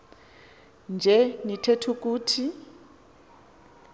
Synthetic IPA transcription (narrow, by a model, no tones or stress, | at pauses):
nd͡ʒʱɛnitʰetʰuk̬ʼuːtʰi